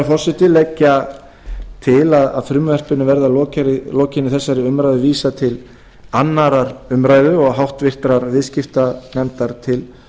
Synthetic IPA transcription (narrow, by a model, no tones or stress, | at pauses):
fɔr̥sɪt̪ɪlɛcːa | t̪ʰɪlaðaðfɾʏmʏvɛr̥pɪnʏvɛɾðalɔːcaɾɪlɔːcɪnʏθɛsːaɾɪʏmɾajðʏviːsat̪ʰɪl | anːaɾaɾʏmɾaːjðʏɔɣɦawht̪vɪr̥t̪ɾaɾvɪðscɪft̪anɛmt̪aɾ̥t̪ʰɪl